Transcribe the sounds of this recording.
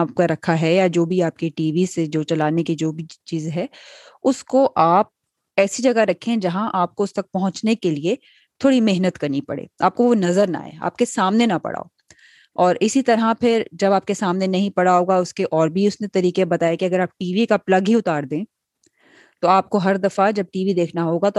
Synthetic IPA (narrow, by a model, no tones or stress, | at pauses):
aːp̚kaɾɐkʰaɦɛjad͡ʒoːbʱiaːp̚kiʈiːʋised͡ʒoːt͡ʃɐlaːnekid͡ʒoːbʱit͡ʃiːzɦɛːʊskoʔaːp̚ | ɛːsid͡ʒɐɡaɾɐkʰẽd͡ʒɐɦãʔaːp̚koʊst̪ɐk̚pɐɦʊ̃t͡ʃnekelie | t̪ʰoːɽimɪɦnət̪kɐɾnipɐ̰ɽḛːa̰ːp̚koʋonɐzəɾna̰ːḛa̰ːp̚kesaːmnenapɐ̰ɽ̤a̰ːo̰ː | ɔːɾɪsit̪ɐɾɦapʰɪɾd͡ʒɐbaːp̚kesaːmnenɐɦĩpɐɽaoːɡaʊskeʔɔːɾbʱiʊsnet̪ɐɾiːkebɐt̪aːjakiɐɡəɾaːp̚ʈiːʋikaplɐɡɦiʊt̪aːɾd̪ẽː | t̪oaːp̚koɦɐɾd̪ɐfad͡ʒɐb̚ʈiːʋid̪eːkʰnaɦoːɡat̪o